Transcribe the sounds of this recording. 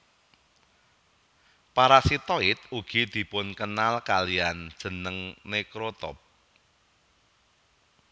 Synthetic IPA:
paɾasit̪oɪt̪̚uɡ̥id̪̥i̤pʊnkənalkaliand̥ʒ̥ə̤nəŋnekɾot̪ɔ̰p̚

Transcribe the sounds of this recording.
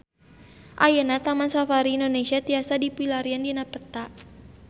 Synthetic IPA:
ʔajənat̪amansafaɾiːndonesiat̪iasadipilaɾiandinapət̪aʔ

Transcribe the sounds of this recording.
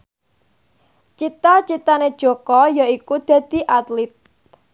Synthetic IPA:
t͡ʃit̪at͡ʃit̪aned̥ʒ̥ɔ̤kɔjaikud̪̥a̤d̪̥i̤ʔat̪lit̪̚

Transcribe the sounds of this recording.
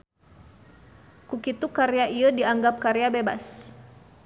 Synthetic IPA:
kukit̪ukaɾeaʔiədiaŋɡap̚kaɾeabeba̰s

